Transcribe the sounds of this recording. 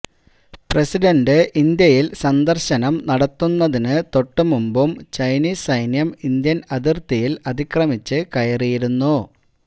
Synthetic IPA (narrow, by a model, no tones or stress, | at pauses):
presiɖɐndɨʔind̪jɐjilsɐnd̪ɐrɕɐnɐmnɐɽɐt̪ːunːɐðinɨt̪o̞ʈːɨmumbumt͡ɕɐjniːssɐjnjɐmind̪jɐnɐðirt̪ijilɐd̪ikrɐmit͡ɕːɨkɐjɐrijiɾunːu